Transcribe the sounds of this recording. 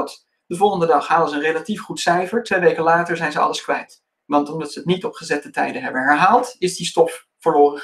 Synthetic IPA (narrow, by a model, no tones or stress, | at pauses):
t | d̥əvɔlˠχəndədɑχɦaːləzəənrelatifχutsɛjfəɹtʋejʋejkəlaːtəɹzɛjnzəɑ̰ləskʋɛjt | ʋɑntɔmdɑtsəɦətnitɔpχəzɛtətɛ̰jdənɦɛbənɦɛɹɦaːlˠtɪzdistɔfː | əɹloːrəχ